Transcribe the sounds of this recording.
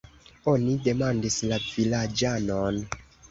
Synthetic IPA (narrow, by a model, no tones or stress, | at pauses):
o̞nide̞mandislavilad͡ʒanon